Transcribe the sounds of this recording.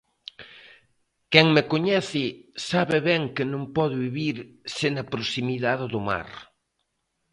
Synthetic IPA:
kɛŋmekoɲɛθɪsaβɪβɛŋkɪnõŋpɔðʊβiβiɾ | senɐpɾosimiðaðɪðʊma̰ɾ

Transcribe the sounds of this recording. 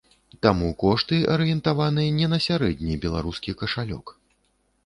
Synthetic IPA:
t̪amukɔʂt̪ɨʔɐɾɨjɛnt̪avanɨjɐnʲɛnɐsʲaɾɛd̪ʲnʲibʲɛlˠa̰ɾuskʲikɐʂalʲɔ̰k

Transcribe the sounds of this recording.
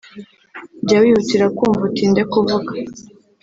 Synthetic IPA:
ɟawihutiɾakuːɱvutindekuvuɡḁ

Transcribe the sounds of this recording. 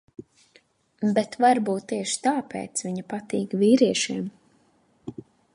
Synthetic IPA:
bɛt̪vaɾbuːt̪ːiɛʃi̥t̪aːpḛːt̪sviɲapat̪iːkviːɾiɛʃiɛm

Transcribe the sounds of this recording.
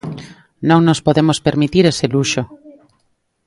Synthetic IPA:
nõŋnospoðemospeɾmit̪iɾeseluʃo

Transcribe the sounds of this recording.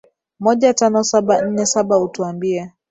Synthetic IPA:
mɔʄatanɔsaɓan̩nɛsaɓautuambiɛ

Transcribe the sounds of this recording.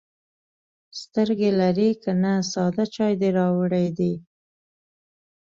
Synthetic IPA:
st̪əɾɡelaɾikanasɑd̪at͡ʃɑjd̪eɾɑwəɽajd̪i

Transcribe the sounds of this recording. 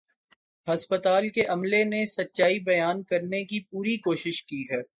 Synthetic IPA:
ɦɐspət̪aːlkeʔɐmlenesɐtːʃaːibɐjaːnkɐɾnekip̚uːɾikoːʃɪʃkiɦɛ

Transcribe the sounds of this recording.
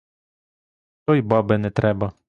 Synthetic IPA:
t̪ɔjbɑbɛnɛt̪ɾɛbɐ

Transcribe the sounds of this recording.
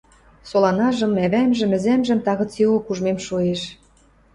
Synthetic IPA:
solɑnɑʒɤ̆mæβæmʒɘ̆mɘ̆zæmʒə̆mt̪ɑɣɤ̆t͡silokuʒmemʃueʃ

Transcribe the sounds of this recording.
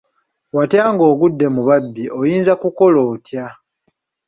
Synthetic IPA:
watjaːŋɡo̞ːɡudːe̞muβabːiʔo̞jiːnzakuko̞loːtja

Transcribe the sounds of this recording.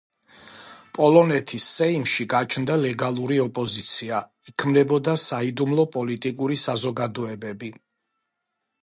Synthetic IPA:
pʼɔlˠɔnɛt̪ʰisːɛimʃiɡat͡ʃʰnd̪alɛɡalˠuɾiɔpʼɔzit̪sʰia | ikʰmd̪ɛbɔd̪asaid̪umlˠɔpʼɔlit̪ʼikʼuɾisazɔɡad̪ɔɛbɛbi

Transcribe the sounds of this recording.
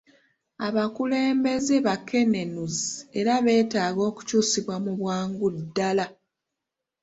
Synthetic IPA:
aβakule̞ːmbe̞ze̞βakːe̞ne̞nuzie̞ɾaβe̞ːtaːɡo̞ːku̥cuːsiβwamuβwaːŋɡudːala

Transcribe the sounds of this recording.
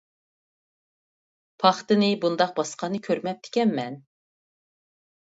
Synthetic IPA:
pʰɑχt̪ɨnɪbund̪ɑq̚bɑsqʰɑnɨkʲʰøɾmɛp̚d̪ʰɪ̥kʲɛnmɛn

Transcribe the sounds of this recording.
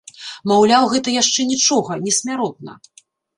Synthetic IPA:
mawlʲawɣɛt̪ɐjaʂt͡ʂɛnʲit͡ʂɔɣɐnʲɛsʲmʲaɾɔt̪̚nɐ̰

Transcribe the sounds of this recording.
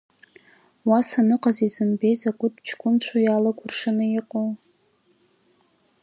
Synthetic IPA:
wasanɨqʼazizɨmbe̞jzakʷʼʊtt͡ʃʰɡʷʼʊmt͡ɕʷʰojalaɡʷʊrʂɨnɨɪqʼow

